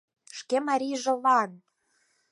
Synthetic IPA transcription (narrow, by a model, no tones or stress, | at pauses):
ʃkemɑɾʲiʒɤ̆lˠɑn